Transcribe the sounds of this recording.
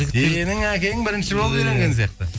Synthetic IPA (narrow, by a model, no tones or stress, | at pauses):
ɡ̪ʲeenɪŋækʲe̞jɪŋbɪɾɪnʃɪbolˠəpijɾe̞ŋɡʲe̞ns̬ijɑq̚t̪ə